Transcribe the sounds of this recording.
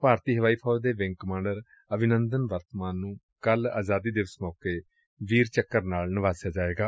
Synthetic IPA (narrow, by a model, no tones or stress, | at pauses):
paːɾt̪iːɦəʋaːiːpʰɔːd̪eːʋɪ̃ŋɡkəmãːɳɖəɾ | əbɪnənd̪ənʋəɾt̪maːnːũː | kəla̰ːzaːd̪iːd̪eːʋɪsmɔːkeː | ʋiːɾt͡ʃəkːəɾnaːlnɪʋaːsjaːd͡ʒaːeːɡaː